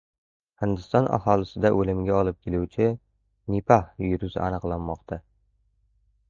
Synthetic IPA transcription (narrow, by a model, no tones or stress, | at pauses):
hɪnd̪ɪst̪ɒnʔa̰hɒlˠɪsɪd̪aʔɵlɪmɡʲaɒlˠɪp̚kʲelʊwt͡ʃʰɪ | nipʰahjʊɾʊzanɨqlˠanːɒqt̪ʰa